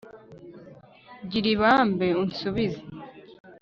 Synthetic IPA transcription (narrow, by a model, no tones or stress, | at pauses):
ɟiɾiβaːmbeunsuβiza